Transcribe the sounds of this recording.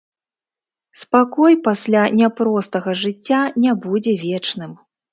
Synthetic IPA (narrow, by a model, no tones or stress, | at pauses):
spakɔjpasʲlʲanʲapɾɔst̪ɐɣɐʐɨt͡sʲːanʲabud͡zʲɛvʲɛt͡ʂnɨm